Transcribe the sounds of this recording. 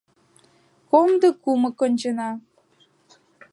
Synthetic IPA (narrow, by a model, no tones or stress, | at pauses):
komd̪ɤ̆kumɤ̆kŏnʲt͡ɕə̆nɑ